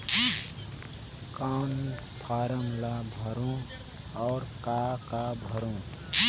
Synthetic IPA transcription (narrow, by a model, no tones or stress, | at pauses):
kam | pʰaɾəŋlabʱʌɾũ | ɔʊɾkakabʱəɾũ